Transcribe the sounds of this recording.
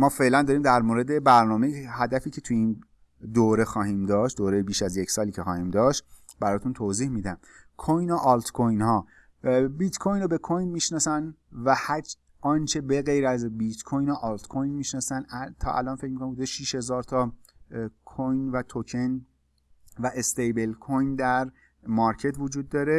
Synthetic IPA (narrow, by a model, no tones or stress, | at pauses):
mɒːfe̞lænd̪ɒːɾiːmd̪æɾmoːɾe̞d̪e̞bæɾnɒːmejeɦæd̪æfiːcʰe̞t̪ʰuiːn | d̪oɾexɒːhiːmd̪ɒːʃt̪̚d̪oːɾejebiːʃæzjecʰsɒːlicʰe̞xɒːhiːmd̪ɒːʃt̪ | bæɾɒːt̪ʰunt̪ʰoːziːhmiːd̪æm | kʰojnoʔɒlt̪kʰojnhɒː | bit̪kʰojnobe̞kʰojnmiːʃnɒːsænvæhæ | ɒːnt͡ʃʰebeɣejɾæzbit̪kʰojnoʔɒːlt̪kʰojnmiʃnɒːsænæt̪ʰɒ̰ːʔæ̰lɒːnfe̞c̚ʰmikonmbud̪eʃiːʃhe̞zɒːɾt̪ʰɒ | kʰojnvæt̪ʰocʰen | væʔest̪ejbe̞lkʰojnd̪æɾ | mɒɾcʰe̞t̪vod͡ʒuːd̪ːɒːɾe̞